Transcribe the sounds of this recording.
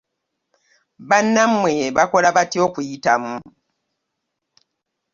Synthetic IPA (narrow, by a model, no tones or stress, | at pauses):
βanːamweβakolaβatiokujitamu